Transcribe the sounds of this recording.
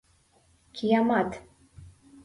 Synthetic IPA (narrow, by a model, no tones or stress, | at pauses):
kʲʰijamat̪